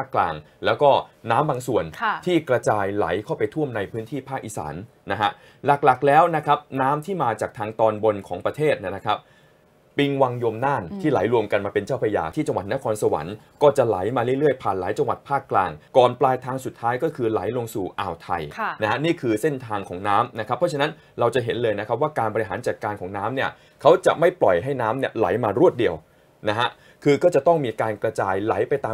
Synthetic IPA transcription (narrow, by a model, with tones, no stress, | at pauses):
pʰaː˥˩kːla̰ː˧ŋ | lɛː˦˥wkɔː˥˩naː˦˥mbaː˧ŋsu˨˩ənʰt̪ʰiː˥˩kɾa˧t͡ɕaː˧jla̰˩˦jkʰa˥˩wpa˧jt̪ʰu˥˩əmna˧jpʰɯː˦˥nt̪ʰiː˥˩pʰaː˥˩k̚ʔḭ˨˩sa̰ː˩˦nːa˦˥ɦa˦˥ | la˨˩k̚la˨˩k̚lɛː˦˥wna˦˥kʰɾa˦˥p̚naː˦˥mt̪ʰiː˥˩maː˧t͡ɕaː˨˩k̚t̪ʰaː˧ŋt̪ɔː˧nbo˧nkʰɔː˩˦ŋpɾa˧t̪ʰeː˥˩t̪̚na˥˩na˦˥kʰa˦˥p̚ | pi˧ŋwa˧ŋjo˧mnaː˥˩nt̪ʰiː˥˩la˨˩˦jɾu˧əmka˧nmaː˧pe˧nt͡ɕaː˥˩wpʰa˧ja̰ː˧t̪ʰiː˥˩t͡ɕa˧ŋwa˨˩t̪̚na˦˥kʰɔː˧nsa˧wa̰˩˦nkɔː˥˩t͡ɕa˨˩la̰˩˦jmaː˧ɾɯ˥˩ə˦lɾɯ˥˩əjpʰaː˨˩nlaː˩˦jt͡ɕa˧ŋwa˨˩t̪̚pʰaː˥˩kːlaː˧ŋkɔː˨˩nplaː˧jt̪ʰaː˧ŋsu˨˩t̪ʰːaː˦˥jkɔː˥˩kʰɯː˧la̰˩˦jlo˧ŋsuː˨˩ʔa̰ː˨˩wt̪ʰa˧jʰna˦˥ha˦˥niː˥˩kʰɯː˧se˥˩nt̪ʰaː˧ŋkʰɔː˩˦ŋnaː˦˥mna˦˥kʰpʰːɔ˦˥t͡ɕʰa˧na˦˥n | ɾa˧wt͡ɕa˨˩ɦe˩˦nlɤː˧jna˦˥kʰa˦˥p̚waː˥˩kaː˧nbɔ˧i˧ɦaː˩˦nt͡ɕa˨t̪̚kaː˧nkʰɔː˩˦ŋnaː˦˥mni˥˩ə | kʰa˦˥wt͡ɕa̰˨˩ʔma˥˩jplɔ˨˩jɦa˥˩jnaː˦˥mni˥˩ɐla̰˩˦jmaː˧ɾu˥˩ət̪̚di˧əw | na˦˥ɦa˦˥ | kʰɯː˧kɔː˥˩t͡ɕa˨˩t̪ɔ˥˩ŋmiː˧kaː˧nkɾa˧t͡ɕaː˧jla˨˩˦jpa˧jt̪aː˧